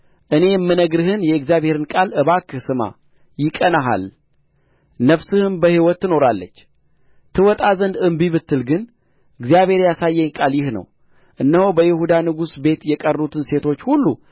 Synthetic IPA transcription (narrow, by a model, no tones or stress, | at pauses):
ʔɨne̞jmːɨnəɡɾɨhɨnjɛɨɡzijaβhe̞ɾɨnkʼalʔɨβakʰɨsɨma̰ | jɪkʼənaɦa̰l | nəfsɨhɨnbəhiwɔt̪ːɨno̞ɾalːə̰t͡ʃː | t̪ʰɨwɔt̪ʼazənd̪ɨmbiβɨt̪ːɨlɡɨn | ʔɨɡzijaβhe̞ɾjasajːɛkʼaljɪhnə̰w | ʔɨnːəhobəjɪhud̪anɨɡusbe̞t̪jɛkʼərut̪ʰɨnse̞t̪ʰo̞t͡ʃːhulːu